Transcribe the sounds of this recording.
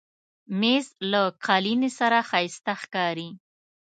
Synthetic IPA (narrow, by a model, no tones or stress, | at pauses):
mezlaqʰɑlinesaɾaxɑjst̪axkɑɾi